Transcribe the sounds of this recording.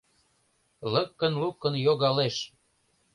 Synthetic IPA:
ləkːə̆nlukːə̆njoɣɑleʃ

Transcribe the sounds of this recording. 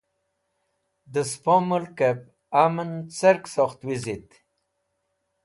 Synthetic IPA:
d̪əspomulkep̚ | amənt͡seɾksoxt̪wizit̪

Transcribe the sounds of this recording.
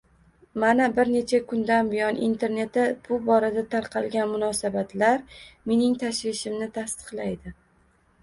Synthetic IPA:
manabɪɾne̞t͡ʃʰakʰʊnd̪anbɪjɒnʔḭnt̪ʰe̞ɾne̞t̪ːab̥ʊbɒɾad̪at̪ʰaɾqʰɑlˠɡʲanmʊnɒsabat̪ʰlaɾme̞nɪŋt̪ʰaʃvɪʃɪmnɪt̪ʰast̪ɨ̥qlajd̪ɪ

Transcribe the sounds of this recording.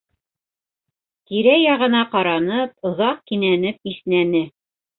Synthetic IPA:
t̪iɾæjɑʁɤ̆nɑqɑɾɑnɤp̚ŏðɑq̚kinænɘp̚iθnænɘ

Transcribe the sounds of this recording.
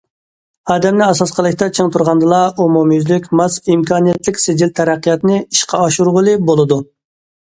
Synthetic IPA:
ɑːd̪ɛmnɪɑsɑsqʰəlˠɨkʲt̪ɑt͡ʃʰəŋt̪ʰuɾʁɑnd̪ɨlˠɑomumyzlykʲmɑsimkʰɑːnijɛt̪lɪkʲsed͡ʒilt̪ʰɛɾæqːijɑt̪nɨiʃqʰɑɑʃuɾʁʊlˠɨbolˠɨd̪u

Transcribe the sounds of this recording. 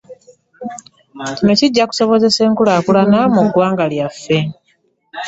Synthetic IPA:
cino̞ciɟːaku̥so̞βo̞ze̞se̞ːŋkulakulanamuɡːwaːŋɡaljafːe̞

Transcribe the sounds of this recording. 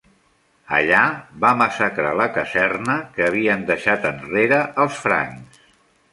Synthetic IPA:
ə̰ʎabaməsakɾa̰ləkəzɛrnəkəːβ̞iənd̪əʃat̪ənreɾəʔəlˠsfɾa̰ŋs

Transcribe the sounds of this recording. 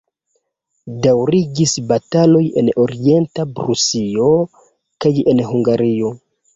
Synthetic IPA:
dawɾiɡisbatalo̞je̞̰no̞ɾie̞ntabɾusio̞ | kaje̞nhuŋɡaɾio̞

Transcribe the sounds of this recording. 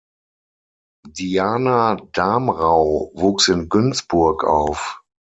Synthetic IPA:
diaːnad̥aːmʁaʊvuːksɪnɡʏnt͡sb̥ʊɐkʰa̰ʊf

